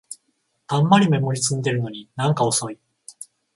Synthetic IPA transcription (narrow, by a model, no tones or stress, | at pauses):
ãmːaɾʲime̞mo̞ɾʲit͡sɨ̃nd̪e̞ɾɯ̟no̞ɲ̟inãŋkao̞so̞i